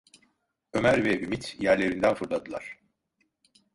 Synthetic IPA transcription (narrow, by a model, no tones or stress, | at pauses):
ø̞mæɾvɛʔymit̪ʰjæɾlʲe̞ɾind̪ænfɯɾlˠad̪ɯlˠa̰ɾ̥